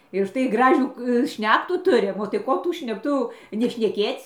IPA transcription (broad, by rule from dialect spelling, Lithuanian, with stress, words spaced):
ɪr ʊʃˈtɐɪ ˈɡrɑːʒʲuː ˈʃʲnʲæːktuː ˈtʊrʲɪm oː tɐɪ ˈkoː tuː ʃʲnʲɛkˈtʊ jɛʊ nʲɛʃʲnʲɛˈkʲeːt͡sʲ